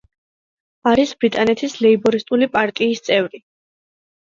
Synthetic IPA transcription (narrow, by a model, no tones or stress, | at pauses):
aɾisbɾit̪ʼanɛt̪ʰislɛibɔɾist̪ʼulipʼaɾt̪ʼiːst̪sʼɛvɾi